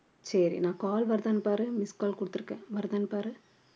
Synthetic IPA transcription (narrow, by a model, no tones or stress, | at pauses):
sɐɾḭnãːkaːlʋɐɾɯd̪aːnɯpːaːɾɯmɪskaːlkʊɽɯt̪ːɯɾɯkːḛ̃ːʋɐɾd̪aːnpaːɾɯ